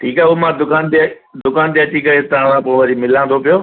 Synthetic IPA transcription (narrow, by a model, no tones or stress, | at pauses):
ʈʰiːkaːʊmãd̪ʊkaːnd̪ | d̪ʊkaːnd̪jaːʈikɐet̪ɐãsãːpõʋɐɾimɪlãːnd̪ʰopijoː